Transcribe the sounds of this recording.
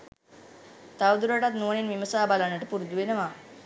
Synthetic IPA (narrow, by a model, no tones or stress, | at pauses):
t̪aʋd̪uɾaʈat̪nuʋɳenʋiməsabalanəʈepuɾd̪uʋenəʋa